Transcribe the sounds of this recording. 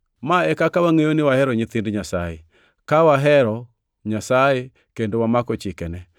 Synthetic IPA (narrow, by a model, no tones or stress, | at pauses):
maɛkakawaŋejonɪwahɛɾɔɲɪt̪ɪndɲasaje | kawaɦɛɾɔ | ɲasaje | kendowamakɔt͡ʃɪkɛnɛ